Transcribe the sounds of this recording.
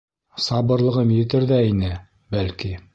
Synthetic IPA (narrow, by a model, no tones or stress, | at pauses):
sɑbɤ̆ɾlˠɤ̆ʁɤmjɘ̆t̪ɘɾðæinɘ | bælki